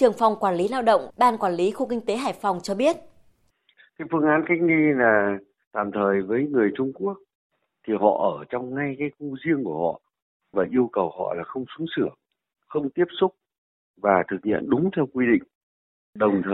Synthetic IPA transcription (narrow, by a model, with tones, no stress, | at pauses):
t͡ɕɨ˨˩əŋfa˨˩wŋ͡mkwaː˧˩nli˨˦laː˧wɗə̰˧˨wŋ͡mɓaː˧nkwaː˧˩nli˨˦xu˧kï˧ŋ̟t̪e˨˦ɦaː˧˩jfa˨˩wŋ͡mt͡ɕɔ˧ɓi˦˥ət̚ | kaː˨˦jfɨ˧əŋʔaː˨˦nka˦˥jk̟̚ɗi˧laː˨˩ | t̪a̰ː˧˩mt̪ʰəː˨˩jvəː˨˦jŋɨ˨˩əjt͡ɕʊ˧ŋ͡mku˦˥ək̚ | t̪ʰi˨˩hɔ̰˧˨ʔəː˧˩t͡ɕɔ˧wŋ͡mŋa˧jkaː˨˦jxu˧zi˧əŋku˧˩əhɔ̰˧˨ | vaː˨˩ʔi˧əwkə˨˩whɔ̰˧˨laː˨˩xə˧wŋ͡msʊ˨˦ŋ͡msɨ˧˩ə | xə˧wŋ͡mt̪i˦˥əp̚sʊ˦˥k͡p̚ | vaː˨˩t̪ʰɨ˨˩k̚hḭ˧˨ənɗʊ˨˦ŋ͡mt̪ʰɛ˧wkwi˧ɗḭ̈˧˨ŋ̟ | ɗə˨˩wŋ͡mt̪ʰəː˨˩j